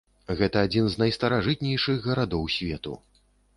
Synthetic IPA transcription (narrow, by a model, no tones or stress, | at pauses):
ɣɛt̪ɐːd͡zʲinznajst̪ɐɾaʐɨt̪̚nʲɛjʂɨɣːɐɾad̪ɔwsʲvʲɛt̪ṵ